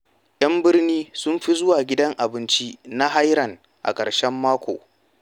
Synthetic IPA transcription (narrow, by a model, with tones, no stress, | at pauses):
ʔɐ˦mbɪ˦rniː˦sʊ˦mɸi˦zʊ˦waː˨ɡʲɪ˦dɐ˦ŋʔa˨bɪ˦nt͡ʃi˦na˦ɦa˦jɾɐ˨ŋ | ʔa̰˨kʼɐ̰˨ɽʃɛ˦mːaː˦kʷo̰ː˨